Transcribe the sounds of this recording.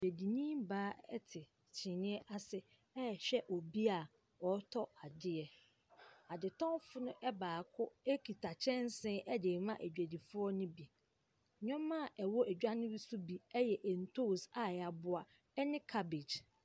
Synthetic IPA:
e˨æ˨di˨nĩ˦mbaː˦ɛ̰˦tʰɪ˨ | t͡ɕʰɪ̃˨nɪ̃˦ɛ˦ʔa˦sɪ˦ | ɛ˦˨ɕᶣɛ˦ʔɔ˨bi˦a˨ | ɔ˨˦tʰɔ˦a˨dɪ˦ɛ˨ | a˨dɪ˨tʰɔ̃˦fʊ˦nʊ̃˦ʔɛ˦baː˨kʰʊ˦e˦kʰi˨tʰa˨t͡ɕʰɛ̃˦n˦sɪ̃˦ʔɛ˦de˨mã˦ʔæ˨d͡ʑᶣæ˨di˨fʊ˦ɔ˦nʊ̃˦bi˨ | ɲᶣɔ̃˦mːã˦˨ʔɛ˨wɔ˦ʔæ˨d͡ʑᶣa˦nɪ̃˦ɾi˦su˦bi˨ɛ˦jɛ˨ʔɛ˨n̩˨tʰo˦˨sa˨a˨bʊ˦a˨ | ɛ˦nɪ̃˦kʰa˦be˨d͡ʑ

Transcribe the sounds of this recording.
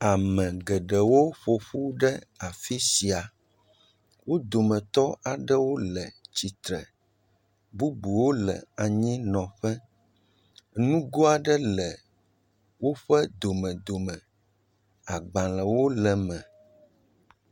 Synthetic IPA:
a˨mɛ̃˨ɡɛ˨ɖɛ˨wo˦ɸo˨ɸu˦ɖɛ˦a˨fi˦si˨a˨ | wo˦d̪o˨mɛ̃˨t̪ɔ˦ʔa˨ɖɛ˦wo˦lɛ˨t͡ɕi˨t̪ɾɛ˨ | bu˦bu˨wo˦lɛ̰˨a˨ɲĩ˦nɔ̃˨ɸɛ˦ | nũ˦ɡo˦a˨ɖɛ˦lɛ˨ | wo˦ɸɛ˦d̪o˨mɛ̃˨d̪o˨mɛ̃˨ | a˨ɡ͡bã˨lə˨wo˦lɛ˨mɛ̃˨

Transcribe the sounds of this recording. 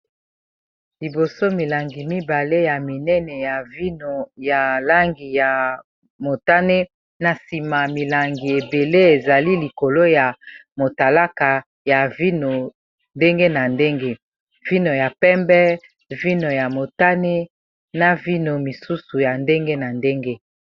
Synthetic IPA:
li˨bo˨so˦mi˨la˨ŋɡi˨mi˦ba˨le˦ja˨mi˨nɛ˦nɛ˨ja˨vi˦no˨ja˨la˦ŋɡi˨ja˨ | mo˨ta˦ne˦ | na˨si˨ma˨mi˨la˨ŋɡi˨e˨be˨le˦e˨za˨li˦li˨ko˨lo˦ja˨mo˨ta˨la˦ka˨ | ja˨vi˦no˨ | nde˦ŋɡe˦na˨nde˦ŋɡe˦ | vi˦no˨ja˨pɛ˦mbɛ˦ | vi˦no˨ja˨mo˨ta˦ne˦ | na˦vi˦no˨mi˨su˦su˨ja˨nde˦ŋɡe˦na˨nde˦ŋɡe˦

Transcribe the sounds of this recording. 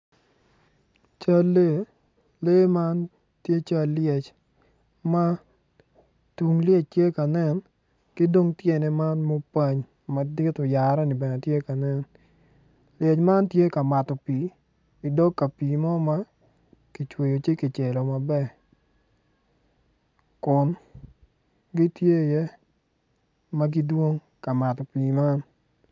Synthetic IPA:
t͡ʃa˦lːe˦˨ | le˦ma˦n | tje˦t͡ʃa˦ljɛ˨t͡ʃ | ma˦ | tu˨ŋljɛ˦t͡ʃtje˦ka˨nɛ˦n | kɪ˦do˦ŋtje˦nɛ˦ma˦nmo˦pa˦ɲ | mɐ˨dɪ˦tɔ˨ja˨ɾa˦ni˨bɛ˨nɛ˨tje˦ka˨nɛ˦n | lje˨t͡ʃma˦ntje˦ka˨ma˨tɔ˨piː˨ | i˨dɔ˦kkːa˨piː˨mɔ˦ma˦ | ki˨t͡ʃwe˨jo˨t͡ʃi˦ki˨t͡ʃe˨lo˨ma˨bɛ˦˨ | kʊ˨n | ɡi˦tje˦˨je˦ | ma˦ɡi˦dwo˦ŋ | ka˨ma˨tɔ˨piː˨ma˦n

